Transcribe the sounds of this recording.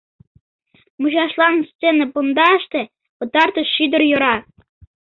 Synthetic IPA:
muʑɑʃlˠɑnst͡sʲenɤpund̪ɑəʃt̪ĕ | pɤ̆t̪ɑrt̪ɤ̆ʃʃyd̪ə̆rjŏɾɑ

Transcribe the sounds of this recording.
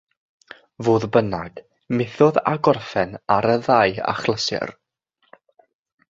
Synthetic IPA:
voːðbənaɡ̥ | mɪθɔða̰ɡɔrfɛnaɾəðaja̰χlˠəsɛ̰r

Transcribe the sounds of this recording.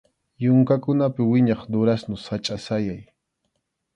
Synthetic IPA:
jʊŋkakʊnapɪwɪɲɑχd̪ʊɾasnʊsat͡ʃʼasajaj

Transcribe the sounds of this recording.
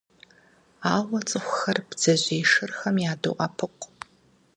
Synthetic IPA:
aːwɐt͡sʼɨχʷʊxɐrb̥z̥ɐʑeːʂɨrxɐmjaːdṵʔʼɐpʰɨqʼ

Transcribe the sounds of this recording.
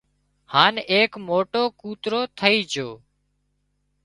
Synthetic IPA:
haːneːkmoːʈoːkuːt̪ɾoːt̪ʰəiːd͡ʒʱoː

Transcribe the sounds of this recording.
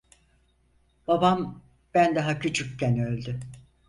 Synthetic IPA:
b̥abam | b̥ænd̪aɦacʰyt͡ʃʰykcːɛnølʲd̪ʏ

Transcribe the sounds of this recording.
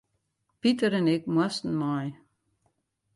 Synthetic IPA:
pitəɾənɛk̚mwɔstn̩maj

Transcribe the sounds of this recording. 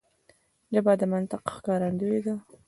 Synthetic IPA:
d͡ʒabad̪əmant̪ɪqxkɑɾand̪uwed̪a

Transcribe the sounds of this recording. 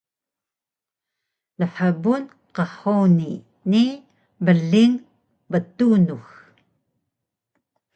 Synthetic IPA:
ləħabun | qɑħowni | ni | bəɮiŋ | bət̪unux

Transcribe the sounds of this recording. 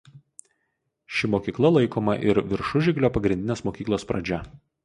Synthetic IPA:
ʃʲɪmoːkʲiːklˠɐlˠɐɪkoːmɐʔɪ̰ɾʋʲɪɾʃʊʒʲɪɡlʲoːpɐɡɾʲɪnʲd̪ʲɪneːsmoːkʲiːklˠoːspɾɐd͡ʒʲɛ

